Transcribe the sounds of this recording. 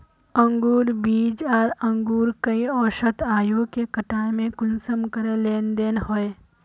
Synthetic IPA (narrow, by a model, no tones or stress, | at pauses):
ə̃ŋɡuːɾbiːd͡ʒaːɾə̃ŋɡuːɾkɐiɔːʃət̪ʰaːjõkekəʈaːemẽkʊnsəmkəɾeleːnd̪eːnɦoe